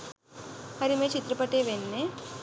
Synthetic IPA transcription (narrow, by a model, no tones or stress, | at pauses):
hɐɾimeːt͡ʃit̪ɾɐpɐʈːeːʋenːe